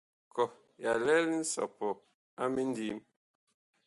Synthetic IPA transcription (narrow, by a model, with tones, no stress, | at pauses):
kɔ˨ | ja˨lɛ˦ln̩˦sɔ̰˨pɔ˨ | a˦mi˦n˦di˦m